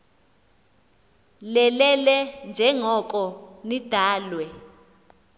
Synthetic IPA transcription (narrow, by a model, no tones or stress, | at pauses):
lɛlɛlɛnd͡ʒʱɛŋɔkʼɔnid̥ʱaːlwɛ